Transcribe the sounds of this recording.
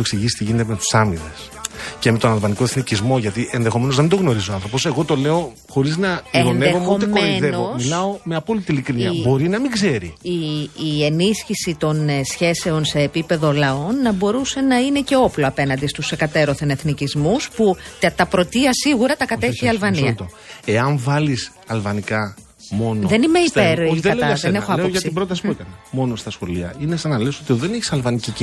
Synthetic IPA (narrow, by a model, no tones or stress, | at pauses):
oeksiʝisi̥t̪iʝinet̪eme̞t̪u̥sɐmine̞s | ce̞met̪o̞nɐlvɐnikoeθnicizmo̞ʝɐt̪iʔenðexome̞nozðɐmind̪oɣno̞ɾizoɐnθɾopo̞se̞ɣo̞t̪o̞le̞o̞ | xo̞ɾiznɐeonnexot̪emeiðenovomislɐo̞meɐpo̞lit̪ilikɾiniɐbo̞ɾinɐmiɡze̞ɾḭiːe̞nisçisit̪o̞nsçe̞se̞o̞nse̞ːpipe̞ðo̞lɐo̞nːɐbo̞ɾuse̞nɐine̞ce̞o̞plo̞ɐpe̞nɐnd̪ist̪usekɐt̪e̞ɾo̞θene̞θnicizmusput̪ɐt̪ɐpɾo̞t̪iɐsiɣuɾɐt̪ɐkɐt̪eçiiɐlvɐniɐt̪o | e̞ɐɱvɐlis | ɐlvɐnikɐ | mo̞noðe̞nimeipeɾeɐleɐɐðenexoɐeoʝɐtibɾo̞t̪ɐsi̥puekɐnɐmo̞no̞st̪ɐsxo̞liɐ̰inesɐnɐleso̞t̪ieðoðeneçi̥sɐlvɐnicic